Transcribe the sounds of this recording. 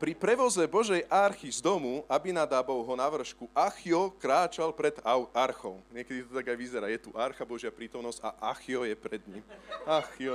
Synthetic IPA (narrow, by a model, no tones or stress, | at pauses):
pɾipɾɛʋɔzɛbɔʒɛjʔaɾxizd̪ɔmuʔabinad̪aːbɔʊɦɔnaʋr̩ʃkuʔaxiɔkɾaːt͡ʃalpɾɛd̪aaɾxɔʊɲɪɛkɛd̪it̪ɔt̪aɡajʋizɛɾaːjɛt̪uʔaɾxabɔʒɪapɾiːt̪ɔmnɔz̥ɟa̰ʔaxiɔjɛpɾɛd̪ɲḭmaxi